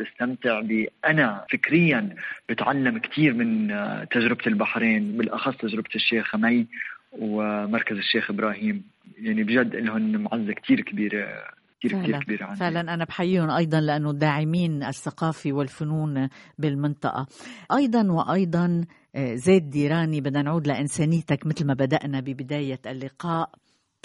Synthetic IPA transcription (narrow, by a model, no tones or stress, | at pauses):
bɪst̪amt̪ɪʕbiʔanafɪkɾɪjːanb̥ɪt̪ʕalːamkt̪ʰiːɾmɪnt̪aʒɾɪbt̪ɪlbaħɾeːnbɪlʔɑxɑsˤt̪aʒɾɪb̚t̪ɪʃːeːxmajwmɑɾˤkazɪʃːeːxʔɪbɾɑːhiːm | jaʕnibʒad̪ːʔɪlhʊnmʕazːakt̪ʰiːɾkbiːɾḛkt̪iːɾkʕːɾkbiːɾʕanːfɪʕlanʔanabħajːiːʊnʔɑjd̪ˤɑnlaʔanːʊd̪aːʕɪmiːnʔaθːaqɑːfiwɪlfʊnuːnbɪlmɪnt̪ˤɑ̰ʔɑ̰ʔɑjd̪ˤɑnwɪʔɑjd̪ˤɑn | zeːt̪̚d̪iːɾaːnibɪd̪ːanʕuːd̪laʔɪnseːnɪjːt̪akmɪt̪lmabad̪aʔnabɪbɪd̪aːjaʔalːɪqɑːʔ